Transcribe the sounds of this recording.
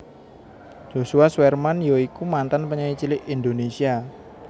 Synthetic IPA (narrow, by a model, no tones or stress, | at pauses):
d͡ʒ̥osuaswɛrmanjoikumant̪anpəɲait͡ʃilɪʔind̪onesia